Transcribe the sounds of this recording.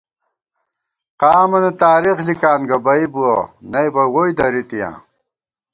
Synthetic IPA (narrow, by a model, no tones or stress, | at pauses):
qaːmɐnɐt̪aːɾixlikaːnɡɐbɐibuɐnɐjbɐwojd̪ɐɾit̪ijã̰ː